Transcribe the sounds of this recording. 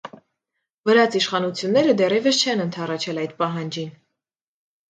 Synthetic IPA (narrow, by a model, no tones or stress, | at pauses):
vəɾɑt͡sʰiʃχɑnut͡sʰjunːɛɾəd̪ɛrjɛvəst͡ʃʰɛnənt̪ʰɑrɑt͡ʃʰɛlɑjt̪̚pɑɦɑnd͡ʒin